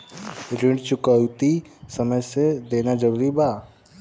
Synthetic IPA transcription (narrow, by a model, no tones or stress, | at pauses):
ɾɪ̃ɳɖt͡ʃʊkəwt̪isəməjsed̪eːnad͡ʒəɾuːɾibaː